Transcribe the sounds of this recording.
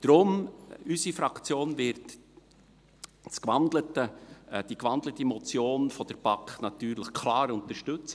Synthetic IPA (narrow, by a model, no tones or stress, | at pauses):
d̥ɾʊmysifɾɑkt͡sjoːnvɪɾt | skʋɑnd̪lətəd̥ikʋɑnd̪lətimɔt͡sjoːnfɔd̥əɾbɑkχnɑt̪yːɾləχkʰlɑːɾʊnt̪əɾʃtɵt͡sə